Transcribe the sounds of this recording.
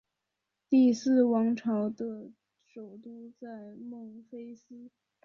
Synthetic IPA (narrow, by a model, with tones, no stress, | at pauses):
t̪i˥˧sɹ̩˥˩wɑ˧˥ŋʈ͡ʂʰɑ˧˥ʊd̪ə˧ | ʂo˨˩ʊt̪u˥t͡sa˥˧ɪmo˥˩ŋfe˥ɪs̩˥